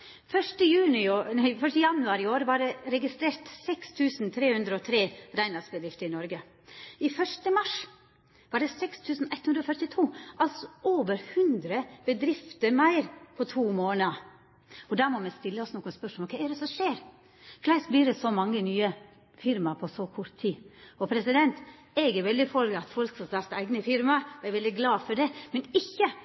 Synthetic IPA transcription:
fœʂʈəjʉːnɪoːfœʂʈəjɑnʉɑːɾɪoːɾʋɑɖɛɾɛɡɪst̪ɾeːɾt̪sɛkst̪ʰʉːsnt̪ʰɾeːhʉnd̪ɾəɔt̪ʰɾeːɾæɪnɑsbəd̪ɾɪft̪əɾɪnɔɾɡə | ɪfœʂʈəmɑʂ | ʋɑːɖɛsɛkst̪ʰʉːsn̩ɛt̪hʉnd̪ɾɔfœɾʈɪt̪ʰuːʔɑlsɔʔoːʋəɾhʉnd̪ɾəb̥əd̪ɾɪft̪əɾmæɪɾpʰɔt̪ʰuːmoːnəɑ | ɔd̪æɾmɔmɛst̪ɪlːəɔsnoːkənspœʂmɔlɔkʰɛɪɛd̪ɛsɔmʂeːɾ | klæɪsbliːɾɛsɔmɑŋːənyːə | fɪɾmɑpʰɔsɔkʰʊt̪ʰːiːɔpʰɾɛsɪd̪ɛnt̪ | ɛɡɛɾʋɛld̪ɪfɔlɡəɑt̪fɔlksɑsɑɾt̪æɪɡnəfɪɾmɑɔɛɾʋɛld̪ɪɡlɑːfɔɖɛmɛnɪçːə

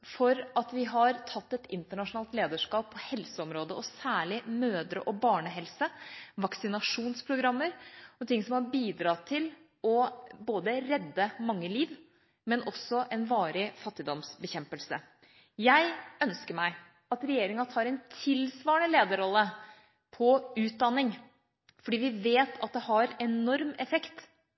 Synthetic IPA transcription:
fɔɾɑt̪ʋɪɦɑɾt̪ʰɑt̪ːɛt̪ɪnt̪əɳɑʂʊnɑːlt̪leːd̪əʂkɑːpʰːɔhɛlsəɔmɾoːd̪əʔɔsæːɭɪmøːd̪ɾə̰ʔɔbɑːɳəɦɛlsəʋɑksɪnɑʂuːnspʰɾʊɡɾɑmːəɾɔt̪ʰɪŋsɔmhɑɾbiːd̪ɾɑːt̪ʰɪl | ɔboːd̪əɾɛd̪ːəmɑŋːəliːʋ | mɛnʔɔsɔʔɛnʋɑːɾɪfɑt̪ːɪd̪ɔmsbəçɛmpəlsə̰ | jæɪœnskəɾmæɪ | ɑt̪ɾɛjeːɾɪŋɑt̪ʰɑːɾɛnt̪ʰɪlsʋɑːəɳəleːd̪əɾɔlːə | pʰɔʉːt̪̚d̪ɑnːɪŋ | fɔɖiːʋɪʋeːt̪ʰɑt̪̚d̪ɛhɑɾɛnɔɾmɛfɛkt̪

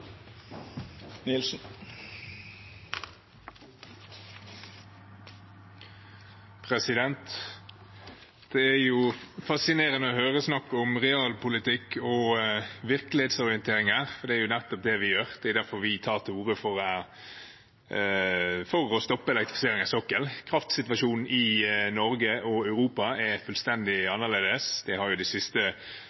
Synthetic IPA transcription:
nɪlsn̩ | pʰɾɛsɪd̪ɛnt̪ | d̪̥ɛæɾjʊfɑsɪneːɾənəɔhøːʁəsnɑkːɔmʁɛɑːlpʊlɪt̪ɪkːɔʋɪɾkəlɪheːt̪sɔɾɪənt̪ʰeːɾɪŋəɾfɔɾd̪ɛæɾjʊnɛt̪ːɔp̚d̪ɛʋɪjøːɾd̪ɛʊd̪æɾfɔɾʋɪt̪ʰɑːʁt̪ʰɪuːɾəfɔɾæ | fɔɾɔst̪ɔpːəɛlɛk̚t̪ɾɪfɪseːɾɪŋɑsɔkːəlkʰɾɑft̪sɪt̪ʋɑʂuːnn̩ɪnɔɾɡəɔɑʉɾuːpɑɛfʉːlst̪ɛnd̪ɪɑnːəʁleːd̪əsd̪̥ɛhɑɾjʊd̪æɪsɪst̪ə

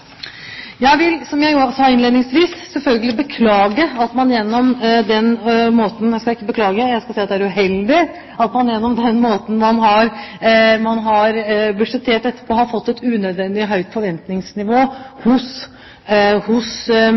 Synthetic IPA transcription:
jæɪʋɪlsɔmjæɪjsɑːɪnleːd̪nɪŋsʋiːssɛlfœlɡəlɪbəkʰlɑːɡəɑt̪mɑnjɛnːɔmd̪ɛnmoːt̪n̩jæskɑlæɪkːəbəklɑːɡəjæɪskɑsiːɑt̪d̪ɛæɾʉɦɛld̪ɪ | ɑt̪mɑnjɛnːɔmd̪ɛnmoːt̪n̩mɑnɦɑɾ | mɑnɦɑɾbʉʂɛt̪ʰeːʈɛt̪ːə̥pʰoːhɑɾfɔt̪ːɛt̪ʉːnœd̪ʋɛnd̪ɪɦœʏt̪fɔɾʋɛnt̪nɪŋsnɪʋoːhʊs | hʊs

